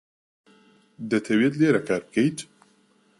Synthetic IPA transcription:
d̪ɛt̪ʰɛweːt̪leːɾɛkʰaːɾbkɛjt̪

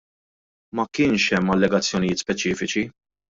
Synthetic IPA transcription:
mɐkɪːnʃɛmːɐlːɛɡɐt͡sːjɔnɪjɪːt̪spɛt͡ʃiːfɪt͡ʃi

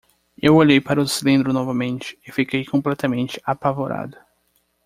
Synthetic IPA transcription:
ewoʎejpaɾɐʊsilẽnd̪ɾʊnɔvɐmẽnt͡ʃɪ̥ɪfikejkõplɛt̪ɐmẽnt͡ʃɪ̥apavoɾʔa̰d̪ʊ

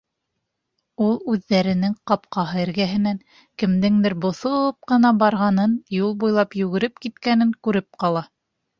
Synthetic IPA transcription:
ulˠʉðːæɾɘ̆nɘŋqɑp̚qɑɦɤɘ̆ɾɡæɦɘ̆næŋ | kɘ̆md̪ɘŋd̪ɘɾbŏθŏp̚qɤ̆nɑbɑɾʁɑnɤnjulˠbujlˠɑpjʉɡɘ̆ɾɘp̚kit̪kænɘŋkʉɾɘp̚qɑlˠɑ

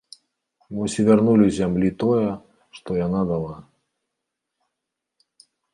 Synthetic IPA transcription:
mɨsʲɪvʲarnulʲizʲamlʲit̪ojɐ | ʂt̪ɔjanad̪alˠa

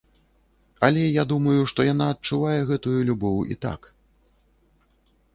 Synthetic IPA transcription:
ɐlʲɛjad̪umɐjuʂt̪ɔjan̪aɐt̪̚t͡ʂːuvajɛɣɛt̪ujulʲubɔwḭt̪a̰k

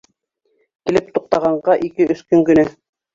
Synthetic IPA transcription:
kilɘp̚t̪uq̚t̪ɑʁɑɴɢɑʔikɘɵ̆θkɵŋkɵ̆nɘ

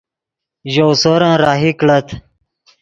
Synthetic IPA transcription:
ʑowsoɾãːɾaːɦikɽət̪ʰ

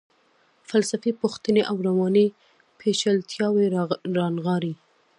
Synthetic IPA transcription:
falsafipuxt̪əneʔawɾawɑni | pʰeʃalt̪ʰjɑweɾɑnɣɑɾi

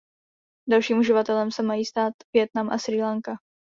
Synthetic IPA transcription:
dalʃiːmuʒɪvat̪ɛlɛmsɛmajiːst̪aːt̪vjɛt̪namʔa̰sɾiːlaŋka

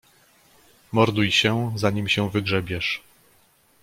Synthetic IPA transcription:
mɔɾd̪ujɕɛzaɲimɕɛvɘɡʐɛbʲjɛʂ

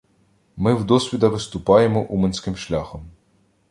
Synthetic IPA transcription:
mɪwd̪ɔsʲʋʲid̪ɐʋɪst̪ʊpɑjemɔʔumenʲsʲkɪmʃlʲaxɔm

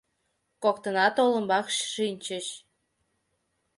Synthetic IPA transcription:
kokt̪ənɑt̪olə̆mbɑkʃʃinʲt͡ɕəɕ

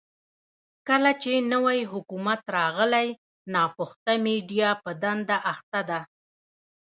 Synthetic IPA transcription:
kəlat͡ʃenəwajɦʊkumat̪ɾɑɣəlaj | nɑpʊxt̪ameɖijɑpəd̪and̪aʔaxt̪ad̪a

